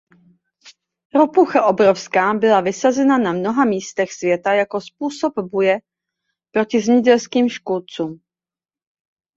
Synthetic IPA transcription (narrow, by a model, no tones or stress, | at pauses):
ɾopuxaʔo̞bɾofskaːbɪlavɪsazɛnanamno̞ɦamiːst̪ɛxsvjɛt̪ajako̞spuːso̞bbujɛ | pɾo̞cɪzmɲɪɟɛlskiːmʃkult͡suːm